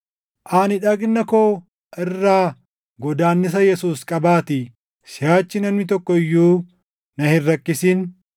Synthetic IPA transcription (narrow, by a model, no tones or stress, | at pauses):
ʔanɪᶑɐɡnːɐkoː | ʔɪrːaː | ɡɔd̪aːnːɪs̬ɐjɛsuːskʼɐbaːt̪ɪ | sɪjaːt͡ʃːɪnɐmnɪt̪ɔkːɔɪjːuː | nɐhɪrːɐkːɪsiːn